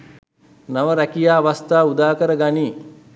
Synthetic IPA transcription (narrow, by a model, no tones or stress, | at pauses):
naʋəɾɛkijaːʋast̪aːud̪aːkəɾəɡaniː